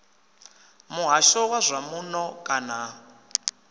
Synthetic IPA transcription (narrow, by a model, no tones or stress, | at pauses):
muɦaʃɔwazʷamunɔkʼana